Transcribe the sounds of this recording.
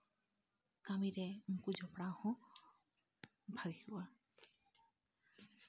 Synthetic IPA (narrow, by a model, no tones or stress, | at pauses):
kamiɾemũkud͡ʒɔpɽahɔ̃ | bʱaɡihuwa